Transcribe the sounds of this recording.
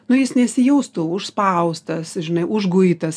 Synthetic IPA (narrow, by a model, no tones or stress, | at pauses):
nʊjɪsnʲɛsʲɪjɛʊst̪uʊʃspɐʊst̪ɐsʒʲɪnɐɪʔʊʒɡʊit̪ɐs